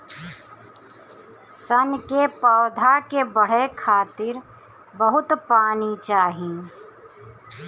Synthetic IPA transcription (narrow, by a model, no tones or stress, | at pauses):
sənkepaːwd̪ʱakebəɽ̤ekʰaːt̪ɪɾ | bəɦʊt̪paːnit͡ʃaːɦi